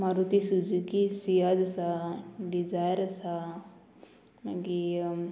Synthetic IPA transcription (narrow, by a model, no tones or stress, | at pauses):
maɾut̪isud͡ʒukisijad͡zɐsaɖid͡ʒajəɾəsa | maɡi